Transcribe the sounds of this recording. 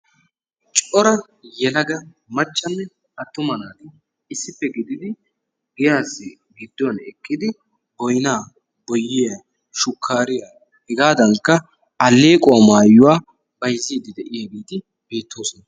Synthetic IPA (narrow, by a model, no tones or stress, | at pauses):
t͡ʃʼɔɾɐ | jɛlɐɡɐ | mɐt͡ʃːɐnːɛ | ɐt̪ːʊmɐnaːd̪ɪ | ɪsːɪpːɛɡɪd̪ɪd̪ɪ | ɡɛjaːsːɪ | ɡɪd̪ːɔwɐnɛkʼːɪd̪ɪ | bɔjnaː | bɔjːɪjɐ | ʃʊkʰːaːɾɪja | hɛɡaːd̪ɐŋkːɐ | ɐlːeːkʼʊwamaːjːʊwaː | b̥ɐjzːiːd̪ɪd̪ɛʔɪjaːɡeːt̪ɪ | b̥e̞ːt̪ːo̞ːsɔnɐ